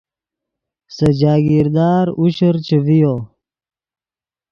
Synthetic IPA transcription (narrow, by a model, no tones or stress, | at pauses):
sɐd͡ʑaːɡiɾd̪aːɾuɕəɾt͡ɕevijoː